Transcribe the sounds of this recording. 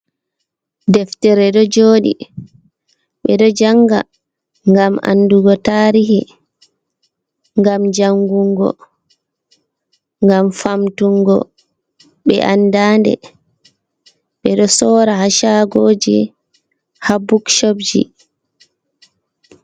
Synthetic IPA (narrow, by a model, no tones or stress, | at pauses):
dɛftɛɾɛɗɔd͡ʒoːɗḭ | ɓɛɗɔd͡ʒaŋɡa̰ | ŋɡama̰nːduɡɔtaːɾiɦi | ŋɡamd͡ʒaŋɡuŋɡɔ̰ | ŋɡamfamtuŋɡɔ̰ | ɓɛ̰ʔandaːndɛ̰ | ɓɛɗɔsɔːɾahaʃaɡoːd͡ʒi | habukʃobd͡ʒḭ